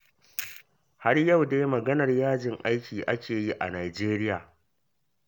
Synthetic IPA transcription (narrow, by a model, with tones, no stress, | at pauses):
ha˦rjɐ˦˨wdeː˦jmɐ˨ɡɐ˦nɐ˨rjaː˦d͡ʒɪ˨ŋʔa˦jkʲiː˨ʔa˦kʲeː˨ji˦ʔa̰˨naː˨d͡ʒeː˦ɾɪ˦jaː˨